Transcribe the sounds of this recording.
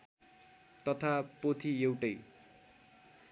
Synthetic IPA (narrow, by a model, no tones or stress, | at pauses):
t̪ʌt̪ʰapot̪ʰiewʈʌj